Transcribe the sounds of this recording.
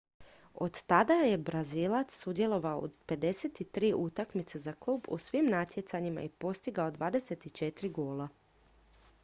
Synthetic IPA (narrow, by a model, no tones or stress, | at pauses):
o̞d̪t̪ad̪aje̞bɾazilˠat̪ssud̪je̞lˠo̞ʋaoo̰d̪pe̞d̪e̞set̪it̪ɾiːʔut̪akmit̪sezaklˠuːbṵsʋimnat̪je̞t̪saɲima̰ipo̞st̪iɡaod̪ʋaːd̪e̞set̪it͡ʃe̞t̪ɾiɡo̞ːlˠa